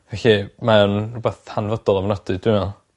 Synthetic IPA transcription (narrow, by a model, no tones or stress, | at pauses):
vɛɬimanrubɛθhanvɔdɔlˠamnɔd̥ɨd̥wɪmɛlˠ